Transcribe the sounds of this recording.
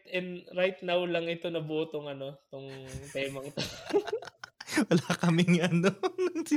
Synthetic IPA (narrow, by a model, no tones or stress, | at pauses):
t̪ɛnd̪ɾajt̪nawlɐŋɪt̪o̞nɐboːt̪oŋɐno̞t̪ʊŋt̪ɛːmɐŋt̪o | wɐlaːkɐmɪŋʔɐnonɐŋsɪ